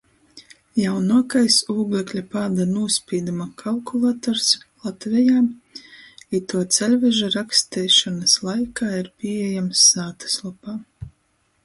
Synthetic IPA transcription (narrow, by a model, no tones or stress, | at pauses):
jawnuɔkajsuːɡlʲˠɛklʲapaːd̪anuɔspʲiːd̪umakʰalˠkulˠat̪ɔɾslˠat̪vʲɛjaː | it̪uɔt̪sɛlʲvʲɛʒaɾakst̪ɛjʃɔnaslˠajkaːiɾpʲiɛjamsːaːt̪ḁslˠɔpaː